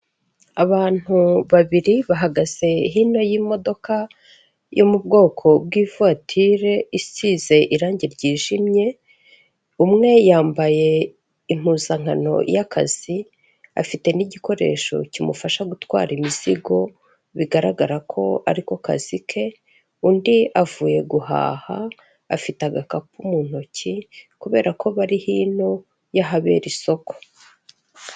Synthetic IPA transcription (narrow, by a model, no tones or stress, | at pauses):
aβaːn̥uβaβiɾiβaɦaɡaz̥e̞ɦino̞jimo̞do̞ka | jomub̚ɡo̞ːkʰo̞bɡiːvuatʰiɾe̞isiːze̞ʔiɾaːɲɟiɾɟiːʒimɲe̞ | umŋe̞jaːmbaje̞ | im̥uːzaŋano̞̰jaka̰z̥i | a̰fite̞niɟiko̞ɾe̞̰ʃo̞̰cimufaʃaɡutwa̰ːɾimiz̥iɡo̞ | βiɡaɾaɡaɾakʰo̞a̰ɾiko̞ka̰zikʰe̞ | undiavuːje̞ɡuha̰ːhaː | fitaɡakapumuːn̥o̞cʰikuβe̞ːɾako̞βaɾihiːn̥o̞ | jaɦaβe̞̰ːɾiso̞ko̥